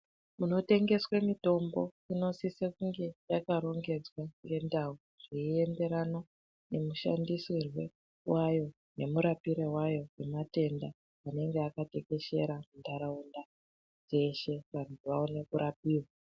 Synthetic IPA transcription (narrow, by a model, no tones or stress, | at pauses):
muno̞te̞ŋɡe̞swemito̞mbo̞̰ | ino̞sisekuŋɡe̞jakaɾo̞ŋɡe̞d͡zwaŋɡe̞ndau | ʐ̥iie̞nde̞ɾano | ne̞muʃa̰ndisirwe | wʔajo̞ | ne̞muɾapiɾewajo̞wemate̞ndaː | ne̞ŋɡeakate̞ke̞ʃe̞̰ɾamundaɾaunda | d͡ze̞ʃe̞ʋantʰuʋaonekuɾap̚iːwwa